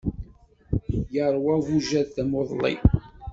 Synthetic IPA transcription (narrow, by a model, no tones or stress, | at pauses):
jəɾˤwævuʒæðθæmoðˤlḭ